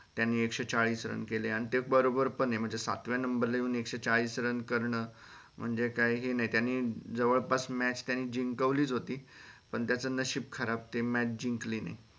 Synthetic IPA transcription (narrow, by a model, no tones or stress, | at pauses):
t̪janːiːekɕet͡saɭiːsɾə̰nkeleaɽ̃it̪ebəɾobəɾpənem̤əɳd͡zesa̰t̪ʋjanəmbəɾlajuːnekɕet͡saɭiːsɾənkəɾɳəː | m̤əɳd͡zekajɦenaɦit̪janːiːd͡zəʋəɭpasmæt͡ɕt̪janːiːd͡ʑiŋkəʋliːt͡sɦot̪iːpəɳt̪jat͡səːnəɕipkʰəɾab̚t̪emæt͡ɕd͡ʑiŋkliːna̰i